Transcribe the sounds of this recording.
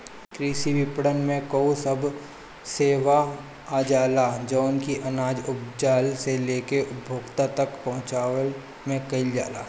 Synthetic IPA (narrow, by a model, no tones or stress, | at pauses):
kɾiːʃiʋɪpɽənmẽkoːsɐb | seːʋaː | d͡ʒaːlad͡ʒonkiʔɐnaːd͡ʒʊpd͡ʒaːlseleːkeʊbʱoːɡt̪at̪əkpɐ̃ɦʊ̃t͡ʃaːwəl | mẽkɐɪld͡ʒa̰ːla̰ː